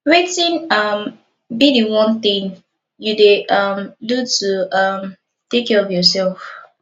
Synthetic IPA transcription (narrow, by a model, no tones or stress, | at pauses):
ɹetĩnʌm | bidiwɔ̃nt̪ĩŋ | judeʔʌmdutuʌm | tekɛɔfjɔsɛlf